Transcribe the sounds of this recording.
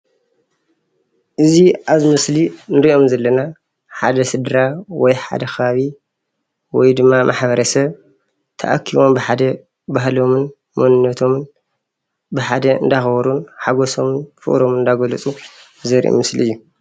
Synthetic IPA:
ʔɨziʔaβzɨmɨslinɨɾiʔo̞mzɐlːɐna | ħad̪ɐsɨd̪ɾawɔjħa̰d̪ɐxɐβaβi | wɔjd̪ɨmːamʔaħbɐɾɐsɐβ | t̪ʰɐ̰ʔakʰiβo̞mbɨħad̪ɐ | baɦlo̞mɨn | munɨnːɐt̪ʰo̞mn | bɨħad̪ɐɨ̰nd̪axɐbɐɾunħaɡoso̞mnfɨ̰ʔʼɾo̞mɨnd̪aɡɐlɨt͡sʼu | zɐɾḭʔo̰mɨslḭɨjːu

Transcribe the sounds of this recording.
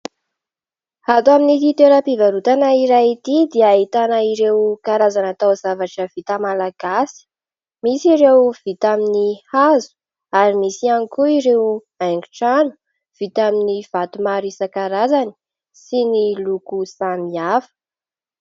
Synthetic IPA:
hat̪uaminit̪it̪eɾapivaɾut̪anaiɾait̪id̪eit̪anəiɾewkaɾazanat̪awzavaʈ͡ʂəv̥it̪amalaɡ̥asi̥ | misiɾewv̥it̪aminihazu̥ | aɾimisianikuiɾew | ajŋɡuʈ͡ʂanu̥ | v̥it̪aminiv̥at̪umaɾisəkaɾazani̥ | sinilukusamiafə̥

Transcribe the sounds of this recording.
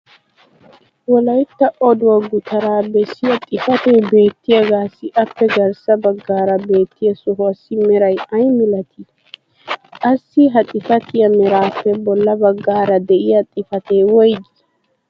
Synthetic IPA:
wɔlɐjt̪ːɐʔɔd̪ʊwɐɡʊt̪ʰɐɾaːbɛsːɪjɐt̪ʼɪfɐt̪eːbe̞ːt̪ːɪjɐɡaːsɪʔɐpːɛɡɐɾsɐbɐɡːaːɾɐbe̞ːt̪ːɪjɐsɔɦʊɐsːɪmɛɾɐjɐjmɪlɐt̪ʰɪ | kʼɐsːɪɦɐt̪ʼɪfɐt̪ɪjɐmɛɾaːpːɛbɔlːɐbɐɡːaːɾɐd̪ɛʔɪjɐt̪ʼɪfɐt̪eːwɔjɡɪ

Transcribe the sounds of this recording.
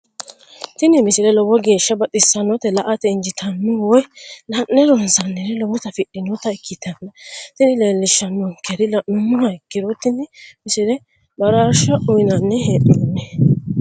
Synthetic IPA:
t̪ɪnɪmɪsɪɾɛlɔwɔɡe̞ːʃːɐbɐt̪ʼɪsɐnːɔt̪ɛlɐʔɐt̪ɛɪnd͡ʒɪt̪ʰɐnːʊwɔjnɐnːɛɾɔnsɐnːɛnɛlɔwʊt̪ɐfɪɗɪnɔt̪ɐɪkːɪt̪ːɐnːɐt̪ɪnɪleːlːɪʃːɐnːɔŋkɛɾɪlɐʔʊnːʊnɐkːɪɾɔt̪ːɪnːɛmɪsɪɾɛ | bɐɾaːʃɐʔʊjnɐnːɛheːɗɔnːɛ

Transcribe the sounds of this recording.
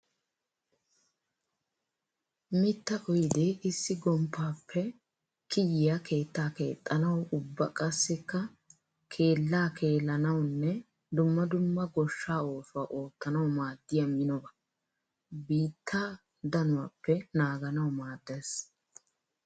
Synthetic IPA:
mɪt̪ːɐʔɔjd̪eːʔɪsːɪɡɔmpʰːaːpʰːɛ | kɪjɪjakʰe̞ːt̪ːaːke̞ːt̪ʼːɐnɐwʊbːɐ̰kʼɐsːɪkːɐ | kʰe̞ːlːaːkʰe̞ːlːɐnɐwnːɛ | d̪ʊmːɐd̪ʊmːɐɡɔʃːaːo̞ːsʊaːʔo̞ːt̪ːɐnɐwmaːd̪ːɪjɐmɪnɔbɐ | biːt̪ʰːaː | d̪ɐnʊwaːpːɛnaːɡɐnɐwmaːd̪ːeːs

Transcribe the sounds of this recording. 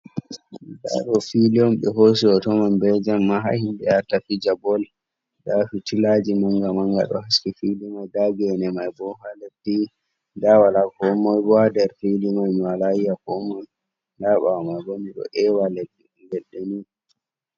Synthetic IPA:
da̰ɗɔfiliɔmɓɛɦos̬iɔtɔmambɛd͡ʒamːaɦa̰himɓɛaɾtafid͡ʒabɔl | dafitilad͡ʒimɔŋɡamaŋɡa̰ɗɔ̰ɦaskifilimajdaɡɛnɛmajbɔhaledi | dawalakɔmɔjbɔadɛɾfilimajmwalaijakɔmɔj | laɓamajwoniɗɔ̰ʔɛwaledi | ɡɛɗeni

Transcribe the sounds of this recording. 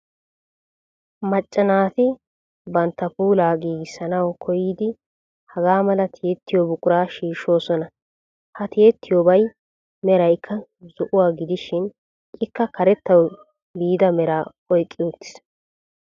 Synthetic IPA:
mɐt͡ʃʼːɐnaːt̪ɪ | bɐnt̪ːɐpuːlaːɡiːɡɪsɐnɐwkʰɔjiːd̪ɪ | hɐɡaːmɐlɐt̪ʰeːt̪ːɪjobʊkʼʊɾaːʃiːʃo̞ːsɔnɐ | hɐt̪eːt̪ːɪjoːbɐj | mɛɾɐjkʰːɐzʊʔʊwaːɡɪd̪ɪʃɪn | ʔɪkːɐkɐɾɛt̪ːɐw | biːd̪ɐmɛɾaː | ɔjkʼːɪʊt̪ːɪ̥s

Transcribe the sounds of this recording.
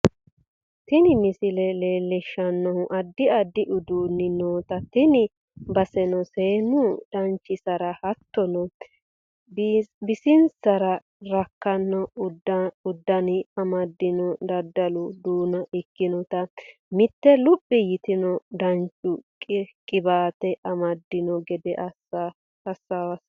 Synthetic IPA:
t̪ɪnɪmɪsɪlɛleːlɛʃːɐnːɔhʊʔɐd̪ːɪɐd̪ːɪʔʊd̪uːnːɪnoːt̪ɐt̪ɪnɪ | bɐsɛnɔseːnʊd̪̥ɐnt͡ʃːɪsɐɾɐhɐt̪ːɔnɔ | bbɪsɪnsɐɾɐ | ɾɐkːɐnːɔdʊd̪ːɐnɪɐmɐd̪ːɪnɔd̪ɐd̪ːɐlʊd̪uːnɐʔɪkːɪnɔt̪ɐmɪt̪ːɛlʊpʼːɪjɪt̪ɪnɔd̪ɐnt͡ʃʼʊkkʼɪbaːt̪ɛʔɐmɐd̪ːɪnɔɡɛd̪ɛʔɐ | ɐsːawɐs

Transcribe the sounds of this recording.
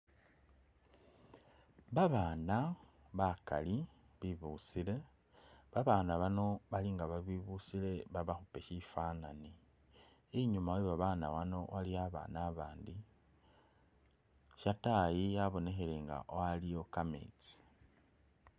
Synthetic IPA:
βaβaːna | βaka̰li | βiβusile̞ | βaβaːnaβano̞βaliŋɡaβaβiβusile̞βaβaxupe̞ʃifananiː | ɲumaweβaβana̰wano̞waliaβa̰ːnaβaːndi | ʃatajijaβo̞ne̞xe̞le̞ŋɡa̰ʔowalijo̞kamḛt͡si̥

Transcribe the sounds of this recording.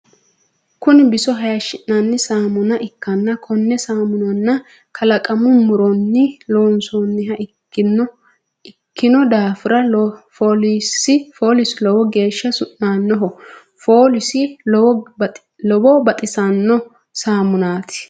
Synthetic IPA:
kʊnɪbɪsɔɦɐjɐʃɪnːanːɪsaːmʊnɐʔɪkːɐnːɐkʰɔnːɛsaːmʊnɐnːɐ | kʰɐlɐkʼɐmʊmʊɾɔnːɪloːnsɔnːɪɦɐɪ | n | ɪkːɪnɔd̪aːfɪɾɐfoːlisɪfoːlɪslɔwɔɡe̞ːʃːɐsʊʔnaːnːɔɦɔ | foːlɪsɪɔ | lɔbɔbɐt̪ʼɪsɐnːɔ | saːmʊnaːt̪ʰɪ̥

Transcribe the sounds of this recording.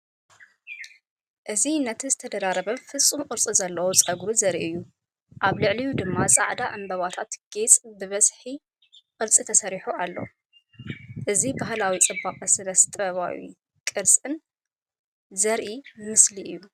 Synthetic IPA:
ʔɨzinːɐt̪ʰzɨt̪ʰɐd̪ɐd̪aɾɐβɐfɨsʼːumqʼɨɾt͡sʼizɐlːɐwut͡sʼɐɡɾuzɐɾiʔɨjːu | ʔaβlɨʕlijud̪ɨmːasʼa̰ʕd̪aʔɐmbɐβat̪ʰat̪ɡ̥et͡sʼbɨβɐsħi | qʼɨɾt͡sʼit̪ʰɐsɐɾiħuʔalːo̰ | ʔɨzibaɦlawit͡sʼɨbːaqʼɐsɨnɐst̪ʼɐβa̰wḭ | kʼɨɾsʼɨn | zɐɾʔimɨsliʔɨjːu

